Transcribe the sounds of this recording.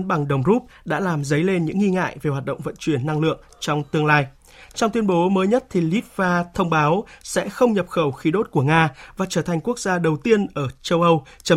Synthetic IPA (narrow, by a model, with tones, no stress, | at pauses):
nɓa˨˩ŋɗə˨˩wŋ͡mzu˦˥p̚ɗa̰ː˧˥laː˨˩mzə˨˦jle˧nɲɨ̰˧˥ŋːi˧ŋa̰ː˧˨jve˨˩hwaː˨˩t̚ɗə̰˧˨wŋ͡mvə̰˧˨nt͡ɕwi˧˩ənːa˧ŋlɨ̰˧˨əŋt͡ɕɔ˧wŋ͡mt̪ɨ˧əŋlaː˧j | t͡ɕɔ˧wŋ͡mt̪wi˧ənɓo˨˦məː˨˦jɲə˦˥t̚t̪ʰi˨˩li˦˥p̚vaː˧t̪ʰə˧wŋ͡mɓaː˨˦wsɛ̰˧˥xə˧wŋ͡mɲə˨˩p̚xə˧˩wxi˨˦ɗo˦˥t̚ku˧˩əŋaː˧vaː˨˩t͡ɕəː˧˩t̪ʰa˨˩ŋ̟ku˦˥ək̚zaː˧ɗə˨˩wt̪i˧ənʔəː˧˩t͡ɕə˧wʔə˧w | t͡ɕə˨˦